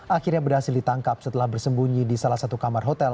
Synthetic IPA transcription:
ʔakirɲabərɦasɪldit̪aŋkap̚sət̪əlahbərsəmbuɲidisalahsat̪ukamarɦot̪ɛl

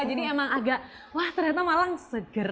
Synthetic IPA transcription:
d͡ʒadiemaŋaɡaʔ | laht̪ərɲat̪amalaŋsəɡəɾ

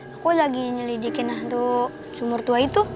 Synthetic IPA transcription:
akulaɡiɲəlidikɪnlaɦnt̪u | t͡ʃumʊrt̪uait̪u

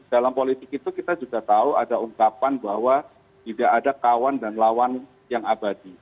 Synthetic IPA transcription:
d̥alampolit̪ɪkit̪ukit̪ad͡ʒuɡat̪auadauŋkapanbahwa | t̪idaʔːdakawandanlawan | jaŋabadi

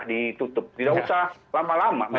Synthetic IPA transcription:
dit̪ut̪ʊp̚t̪idaʔusalamalamama

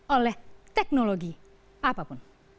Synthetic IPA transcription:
ɔlet̪eknoloɡi | apapun

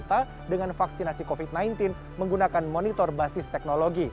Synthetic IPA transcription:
t̪a | dəŋanfaksinasikofit̪̚najnt̪ɪn | məŋɡunakanmonit̪ɔrbasɪst̪ɛk̚noloɡi

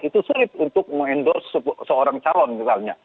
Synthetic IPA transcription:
it̪usulɪt̪unt̪ʊk̚məŋɛndɔrsəbsəoɾaŋt͡ʃalɔnmisalɲa

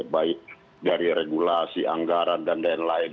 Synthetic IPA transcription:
baiʔ̚ | daɾiɾɛɡulasiʔa̰ŋɡaɾandandaɛnlain

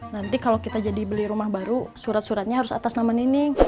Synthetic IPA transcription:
nant̪ikalokit̪ad͡ʒadibəliɾumahbaɾusuɾat̪̚suɾat̪̚ɲaɦaɾʊsa̰t̪asnamanini

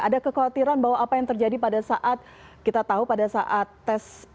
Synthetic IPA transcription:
adakəkawat̪iɾanbaɦwaʔːpajaŋt̪ərd͡ʒadipadasaʔat̪̚ | kit̪at̪aɦupadasaʔat̪ːɛs

